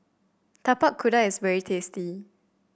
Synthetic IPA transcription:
t̪ʰapakʰːudaɪsvɛɹitʰesti

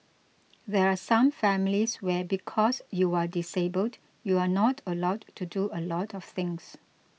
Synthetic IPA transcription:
ðɛɹasãmfɛmiliswɛbikʰɔsjuadisebəld | juanɔtʰəlaʊdtːuduəlɔtʰɔfθɪ̃ŋs

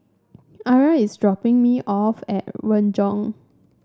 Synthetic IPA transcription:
aɹaisdɹɔpɪ̃ŋmiʔɔfɛ̰t̚ɹʌ̃nd͡ʒɔ̃ŋ

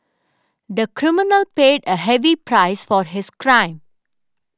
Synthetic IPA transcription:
d̪əkɾɪmɪnəlpeːɖəɦɛʋipɾaɪsfɔɾɦɪskɾãɪ̃m

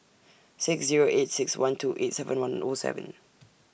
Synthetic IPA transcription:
sɪksziɹoʔetsɪkswãntʰuːʔetsɛvə̃nwãnɔsɛ̰və̰̃n

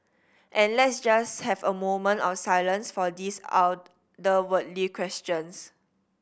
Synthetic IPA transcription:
ʔɛ̃nlɛtsd͡ʒasthɛvəmõmə̃ntɔfsajlə̃nsfɔdisa̰w | dəwətlikʰwɛst͡ʃə̃ns

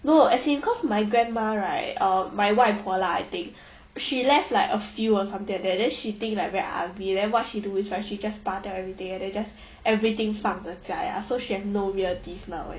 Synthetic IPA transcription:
noɛsĩnkʰɔsmaɪɡɹɛ̃nmaɹaɪt̚ʌ̃maɪwaɪfɔlaa̰ɪt̪ɪ̃ŋk̚ | ʃilɛftlaɪkəfjuɔsãmt̪ĩŋdɛdɛ̃nʃit̪ɪ̃ŋklaɪkvɛɹiʔa̰ɡlidɛ̃nwɔt̚ʃiduisɹaɪtʃid͡ʒaspatatɛvɹit̪ĩŋɛ̃ndɛ̃nd͡ʒas | ʔɛvɹit̪ɪ̃ŋfãŋət͡ʃaja̰soʃihɛfnoɹiəlt̪ifnaʊɛ̰̃

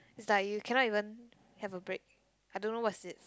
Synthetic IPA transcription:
ɪsdɛt̚jukʰɛ̃naivə̃n | hɛvəbɹek̚ | ajdõnːowɔtsɪt̚

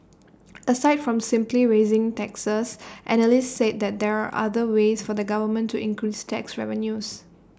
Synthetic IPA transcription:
ʔəsaɪtfɹɔ̃msɪ̃mpliɹezɪ̃ŋtɛksəsʔɛnəlistset̚d̪ɛt̚d̪ɛɹaʔa̰dəwesfɔdəɡavəmə̃ntʰːuɪ̃ŋkɹistʰɛksɹɛ̰və̃njus

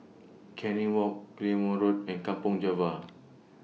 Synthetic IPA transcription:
kʰɛ̃niwɔk̚ːlĩmɔɹot̚ɛ̃nkãmpɔ̃ŋd͡ʒɛva

